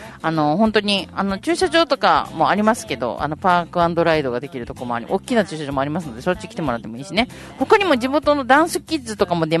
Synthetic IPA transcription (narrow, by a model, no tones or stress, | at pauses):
ano̞hõ̞nt̪o̞ɲ̟iano̞t͡ɕɨːɕaʑo̞ːt̪o̞ka̰mo̞aɾʲimasɨ̥ke̞d̪o̞̰ʔa̰no̞paːkɯ̟ãnd̪o̞ɾaid̪o̞ɡad̪e̞kʲiɾɯ̟t̪o̞komo̞a̰ɾʲḭʔokʲːinat͡ɕɨːɕaʑo̞ːmoaɾʲimasɨno̞d̪e̞sot͡ɕːikʲi̥t̪e̞moɾat̪ːeoiːɕine̞ | ho̞kaɲ̟imo̞d͡ʑimo̞t̪o̞no̞d̪ãɰ̃sɨkʲizɨt̪o̞kamo̞d̪e̞